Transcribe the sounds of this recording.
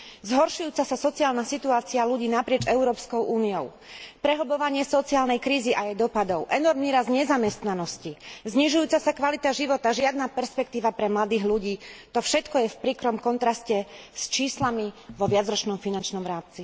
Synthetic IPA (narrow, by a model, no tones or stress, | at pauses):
zɦɔɾʃujuːt͡sasasɔt͡siaːlnasit̪uaːt͡sialuɟiːnapɾɪɛd͡ʒɛʊɾɔːpskɔʊʔuːniɔʊ | pɾɛɦɔbɔʋaɲɪɛsɔt͡siaːlnɛjkɾiːziʔajɛjd̪ɔpad̪ɔʊʔɛnɔɾmniːɾazɲɛzamɛst̪nanɔscizɲiʒujuːt͡sasakʋalit̪aʒiʋɔt̪aʒɪad̪napɛɾspɛk̚t̪iːʋapɾɛmlad̪iːɦluɟiːt̪ɔfʃɛt̪kɔjɛfpɾiːkɾɔmkɔnt̪ɾascɛst͡ʃiːslamiʋɔʋɪad͡zɾɔt͡ʃnɔmfinant͡ʃnɔmɾaːmt͡si